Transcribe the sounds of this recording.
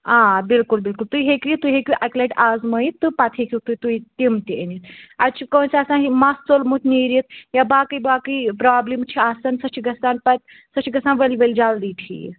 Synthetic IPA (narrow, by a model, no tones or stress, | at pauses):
ãːbilkulbilkult̪ujɦekɾit̪ujɦekuʔakleʈazməjt̪ɨpat̪ʰɦekit̪ut̪ujt̪imt̪iənit̪at͡ʃʰikownsasãnɦimast͡solmut̪ʲʰniːɾit̪̚jabaːkɨjbaːkɨjpɾaːblimt͡ʃʰiasɐnsɐt͡ʃʰiɡɐsaːnpat̪̚ | sɐt͡ʃʰiɡɐsaːnʋəliʋəld͡ʒald̪iːʈʰḭ